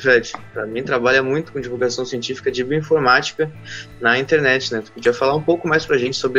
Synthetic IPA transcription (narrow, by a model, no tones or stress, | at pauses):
fɾɛd͡ʒɪpɾɐmĩt̪ɾabaʎɐmũj̃t̪ʊ̥kõd͡ʒivulɡasɐ̃w̃siẽnt͡ʃifi̥kɐd͡ʒibuĩfoɾmat͡ʃi̥kɐ | nɐĩnt̪eɾnɛt͡ʃɪnɛ̃t̪u̥pod͡ʒiɐfalaɾũpowkʊmajspɾɐʒẽnt͡ʃɪ̥sobɾɪ